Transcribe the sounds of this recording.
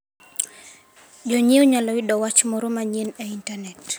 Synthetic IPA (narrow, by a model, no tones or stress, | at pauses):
d͡ʒɔɲioɲalɔidɔwat͡ʃmɔɾomaɲeneintanɛt